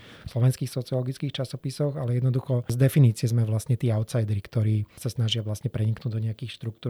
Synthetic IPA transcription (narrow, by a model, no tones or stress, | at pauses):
fslɔʋɛnskiːxsɔt͡siɔlɔɡit͡skiːxt͡ʃasɔpisɔɣalɛjɛd̪nɔd̪uxɔzd̪ɛfiniːt͡sɪɛzmɛʋlasɲɛt̪iːaʊt̪sajd̪ɛɾikt̪ɔɾiːsasnaʒɪaʋlasɲɛpɾɛɲiknuːɟd̪ɔɲɛjakiːxʃt̪ɾukt̪uː